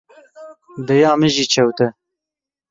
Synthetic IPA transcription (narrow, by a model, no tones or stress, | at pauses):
d̪ɛjɑːmɨʒit͡ʃʰɛwt̪ɛ